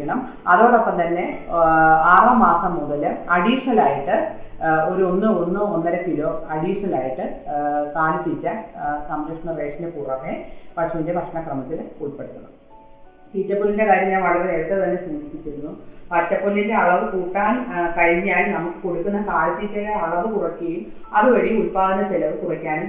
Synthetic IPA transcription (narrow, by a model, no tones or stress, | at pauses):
ɐɳɐm | ɐðo̞ːɽo̞pːɐmt̪ɐnːe̞ | aːrɐmaːsɐmːuðɐlɨɐɽiːʂɐlaːjiʈːɨ | o̞ɾuo̞nːɨonːɨonːɐɾepiloːɐɽiːʂɐlaːjiʈːɨkaːlɨt̪ːiːtʲːɐsɐmɾɐkʂɐɳɐreːʂɐnepuːrɐʋepɐt͡ɕɐnindepɐkʂɐɳɐkrɐmɐt̪ːiluɭpːeɽɨt̪ːunːɐ̰ | t̪iːtːɐpːuːlːinde̞kaːɾɾjːɐmɲaːnʋɐɭɐɣɐeɾɐʈ̪ːet̪ɐnːesinipːit͡ɕːiɾunːupɐt͡ɕːɐpːoːlindeɐɭɐðɨkuːʈːaːnkɐɻiɲːaːlnɐmukːɨ̥koɽukːunːɐkaːlɐp̪ːiːtːɐɣeɐɭɐðɨkurɐkʲːiejum | ɐðɨʋɐɻiuɭpaːðinːɐt͡ɕelɐʋɨkurɐkʲːaːnm